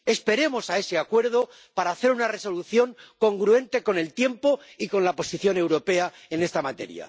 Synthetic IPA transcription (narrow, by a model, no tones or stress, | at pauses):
e̞spe̞ɾe̞mo̞sae̞se̞akwe̞ɾðo̞ | paɾaːθe̞ɾunare̞soluθjo̞ŋko̞ŋɡɾue̞nt̪e̞ko̞ne̞lt̪je̞mpo̞iko̞nlapo̞siθjo̞ne̞wɾo̞pe̞a | e̞ne̞st̪amat̪e̞̰ɾja̰